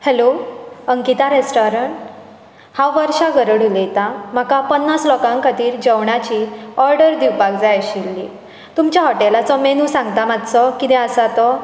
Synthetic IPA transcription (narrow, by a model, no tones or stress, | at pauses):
hɛloəŋkit̪aɾesʈɔɾəɳʈ | hawʋəɾɕaɡəɾəɽulejt̪am̤akapənːaslɔkãŋkət̪iːɾd͡ʑəʋɳat͡ɕiɔɾɖəɾd̪iwpaɡd͡zajəɕilːḭː | t̪umt͡ɕjaɦɔʈelat͡sɔmenũːsãŋɡt̪amat̪t͡sɔkit̪ɛ̃əsat̪ɔ